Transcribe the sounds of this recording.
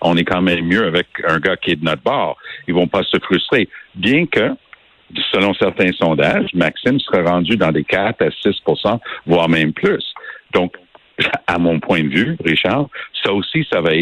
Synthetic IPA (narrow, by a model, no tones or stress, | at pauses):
ɔ̃nɛkɑ̃mɛ̃mːjøavɛkə̃ɡakʲiɛd̪ənɔt̪̚bɑːʁilvɔ̃pasəfʁyst̪ʁebjɛ̃kə | səlɔ̃sɛʁt̪ɛ̃sɔ̃d̪aʒmaksɪmsəʁaʁɑ̃d͡z̪yd̪ɑ̃d̪ekat̪asɪspuʁsɑ̃vwaːʁmɛ̃mpʰlysd̪̥ɔ̃k | amɔ̃pʰwɛ̃d̪əvyʁiʃaʁsausisavaɛ